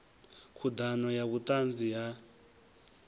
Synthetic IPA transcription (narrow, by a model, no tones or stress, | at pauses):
kʰud̪anɔjaβut̪ʼand͡zija